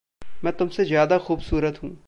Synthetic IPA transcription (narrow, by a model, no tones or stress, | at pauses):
mɛ̃ːt̪ʊmsezjaːd̪axuːbsuːɾət̪ɦũː